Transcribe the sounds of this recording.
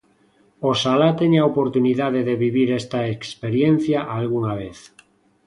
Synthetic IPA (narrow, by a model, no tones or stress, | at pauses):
osalat̪eɲaopoɾt̪uniðaðeðeβiβiɾest̪aekspeɾjen̟θjaʔalɣuŋaβeθ